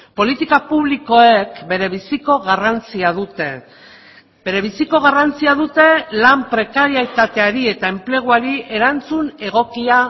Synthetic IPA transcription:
po̞lit̪ikapuβliko̞e̞kbe̞ɾe̞β̞isiko̞ɣarant͡siaðut̪e̞ | be̞ɾe̞β̞isiko̞ɣ̞arant͡siaðut̪e̞lampɾe̞kaɾiajt̪at̪e̞aɾie̞t̪ae̞mple̞ɣ̞uaɾiʔe̞ɾant͡sune̞ɣ̞o̞kia

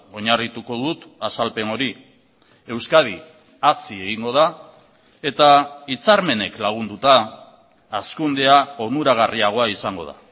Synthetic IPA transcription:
o̞ɲarit̪uko̞ðut̪asalpe̞no̞ɾi | e̞wskaði | asie̞ɣ̞iŋɡo̞ð̞a | e̞t̪ait͡saɾme̞ne̞klaɣ̞und̪ut̪aː | skund̪e̞aonuɾaɣ̞ariaɣ̞o̞aisaŋɡo̞ða̰

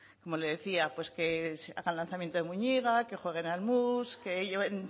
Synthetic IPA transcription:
ko̞mo̞le̞ðe̞θiapwe̞ske̞sa̰ɣanlanθamjent̪oðemuɲiɣake̞xwe̞ɣ̞e̞nalmuske̞ʝeβe̞n

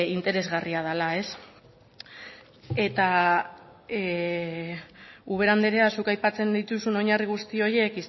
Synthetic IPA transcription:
int̪e̞ɾe̞zɣariað̞alae̞s | e̞t̪a | uβ̞e̞ɾand̪e̞ɾe̞asukajpat͡se̞nd̪it̪usuno̞ɲariɣ̞ust̪io̞je̞kis

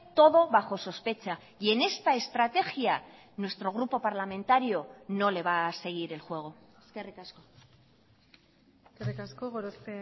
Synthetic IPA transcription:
t̪o̞ð̞o̞βaxo̞so̞spe̞t͡ʃa | ie̞ne̞st̪ae̞st̪ɾat̪e̞xia | nwe̞st̪ɾo̞ɣ̞ɾupo̞paɾlamẽ̞nt̪aɾio̞no̞le̞β̞ase̞ɣ̞iɾe̞lxwe̞ɣ̞o | eskerikasko | eskerikaskoɣoɾose

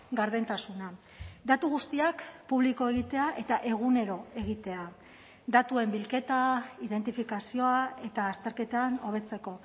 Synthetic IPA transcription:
ɡaɾðent̪asuna | d̪at̪uɣ̞ust̪iakpuβliko̞e̞ɣ̞it̪e̞aʔe̞t̪aʔe̞ɣ̞une̞ɾo̞e̞ɣ̞it̪e̞a | d̪at̪ue̞mbilke̞t̪aiðe̞nt̪ifikasio̞ae̞t̪aːst̪e̞ɾke̞t̪ano̞β̞e̞t͡se̞ko̞

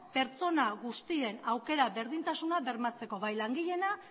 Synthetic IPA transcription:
pe̞ɾt͡so̞naɣust̪ie̞nawke̞ɾaβe̞ɾð̞int̪asunaβe̞ɾmat͡se̞ko̞βajlaŋɡiʎe̞na

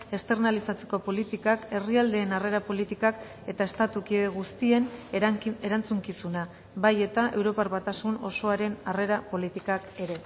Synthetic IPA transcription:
e̞st̪e̞ɾnalisat͡se̞ko̞po̞lit̪ikake̞riald̪e̞ːnare̞ɾapo̞lit̪ikak | e̞t̪ae̞st̪at̪ukieɣust̪ie̞n | e̞ɾant͡suŋkisuna | βaje̞t̪aʔe̞wɾo̞parβat̪asuno̞so̞aɾe̞nare̞ɾapo̞lit̪ikake̞ɾe̞

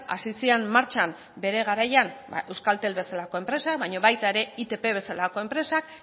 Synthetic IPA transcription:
a̰sisiammaɾt͡ʃam | be̞ɾe̞ɣ̞aɾajan̰e̞wskalt̪e̞lβe̞salako̞e̞mpɾe̞sakβaɲo̞βajt̪ae̞ɾe̞it̪e̞pe̞β̞e̞salako̞e̞mpɾe̞sak̚

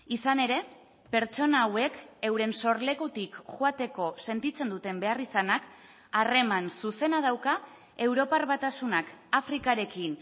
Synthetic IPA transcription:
isane̞ɾe̞ | pe̞ɾt͡ʃo̞naːwe̞ke̞wɾe̞nso̞ɾle̞kut̪ikʝuat̪e̞ko̞se̞nt̪it͡se̞nd̪ut̪e̞mbe̞arisanak | are̞mansuse̞naðawka | e̞wɾo̞parβat̪asunakafɾikaɾe̞kin

